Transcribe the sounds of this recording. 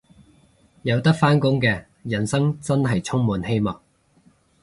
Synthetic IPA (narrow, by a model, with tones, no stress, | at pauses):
jɐ˨˧wt̪ɐ˥k̚faː˥nkʊ˥ŋkɛː˧ | jɐ˨˩nsɐ˥ŋt͡sɐ˥nɦɐ˨jt͡sʰʊ˥ŋmuː˨˧nɦe˥jmɔː˨˩k̚